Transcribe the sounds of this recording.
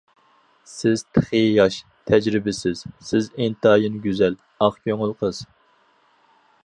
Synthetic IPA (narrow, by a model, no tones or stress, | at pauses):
sɪz̥t̪ʰə̥χəjɑʃ | t̪ʰɛd͡ʒɾɪbɪsɪz̥sɪzent̪ɑːjinɡʲyzɛl | ɑχkʲʰøŋɪlˠqʰəz̥